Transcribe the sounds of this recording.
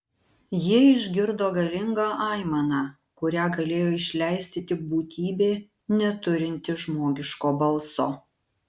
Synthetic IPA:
jiɛɪʒʲɡʲɪɾd̪oːɡɐlʲɪŋɡɑːʔɑɪmɐnɑː | kʊɾʲæːɡɐlʲeːjoːɪʃʲlʲæɪsʲt̪ʲɪt̪ʲɪk̚buːt̪ʲiːbʲeː | nʲɛt̪ʊɾʲɪnʲt̪ʲɪʒmoːɡʲɪʃkoːbɐlˠsoː

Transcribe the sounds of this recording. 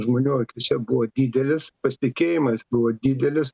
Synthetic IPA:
ʒmoːnʲuːɐkʲɪsʲɛbʊʋoːd̪ʲiːd̪ʲɛlʲɪspɐsʲt̪ʲɪkʲeːjɪmɐsbʊʋoːd̪ʲiːd̪ʲɛlʲɪs

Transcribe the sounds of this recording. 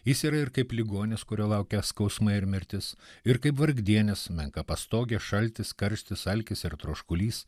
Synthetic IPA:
jɪsiːɾɐɪɾkɐɪplʲɪɡoːnʲɪskʊɾʲoːlˠɐʊkʲɛskɐʊsmɐɪɾmʲɪɾʲt̪ʲɪsɪɾkɐɪpʋɐɾɡd̪ʲiɛnʲɪsmʲɛŋkɐpɐst̪oːɡʲɛʃɐlʲt̪ʲɪskɐɾʲsʲt̪ʲɪsɐlʲkʲɪsɪɾt̪ɾoːʃkʊlʲiːs

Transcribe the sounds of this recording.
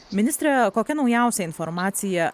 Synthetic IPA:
mʲɪnʲɪst̪ɾʲɛkoːkʲɛnɒʊjæˑʊsʲɛɪnfɔɾmɑːt̪sʲɪjɛ

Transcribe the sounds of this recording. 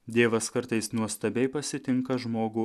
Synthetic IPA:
d̪ʲeːʋɐskɐɾt̪ɐɪsnuɔst̪ɐbʲɛɪpɐsʲɪt̪ʲɪŋkɐʒmoːɡʊ

